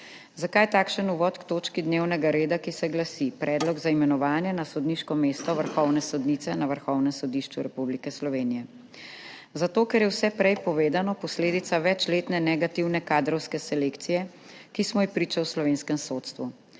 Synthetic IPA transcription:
zakaːjt̪aːkʃənuʋɔt̪kt̪oːt͡ʃkid̪newnɛɡaɾeːd̪akisɛɡlasipɾʔɛːd̪lɔɡzaimɛnɔʋaːnjɛnasɔd̪niʃkɔmeːst̪ɔʋəɾxɔwnɛsɔd̪nit̪ɛnaʋəɾxɔwnɛmsɔd̪iʃt͡ʃuɾɛpublikɛslɔʋeːnijɛ | zat̪oːkɛɾjɛwsɛpɾɛjpɔʋeːd̪anɔpɔsleːd̪it̪saʋɛt͡ʃleːt̪nɛnɛɡat̪iwnɛkad̪ɾɔwskɛsɛleːkt̪sijɛ | kismɔixpɾiːt͡ʃawslɔʋeːnskɛmsoːt̪st̪ʋu

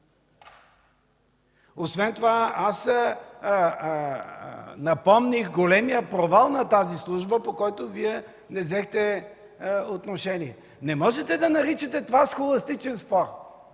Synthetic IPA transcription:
osvɛnt̪ovaas | nɐpɔmnixɡolɛmijəpɾovalˠnɐt̪azislˠuʒbəpokɔjt̪oviɛ | nɛzɛxt̪ɛ | ot̪noʃɛniɛ | nɛmɔʒɛt̪ɛd̪ɐnɐɾit͡ʃɐt̪ɛt̪ovasxolˠɐst̪it͡ʃɛnspɔɾ

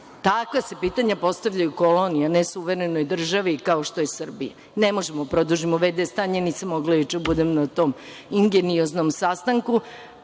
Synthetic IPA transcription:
t̪akʋase̞piːt̪aɲapo̞st̪aʋʎajukolonijanesuʋeɾeno̞jd̪r̩ʒaʋikao̞ʃt̪o̞jesr̩bija | ne̞mo̞ʒemod̪apɾod̪uʒimoʋed̪est̪aːɲeniːsamːoɡlajut͡ʃebud̪emnat̪o̞ːmiŋɡeniozno̞msast̪aŋku

